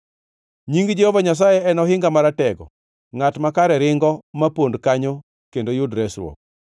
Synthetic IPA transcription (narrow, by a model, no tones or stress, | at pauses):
ɲiŋɡd͡ʒɛhovaɲas̬ajɛɛnɔɦɪŋɡamaɾatɛɡɔ̰ | ŋatmakaɾɛɾɪŋɡɔmapondkaɲo | kendojʊdɾɛsɾwo̰k̚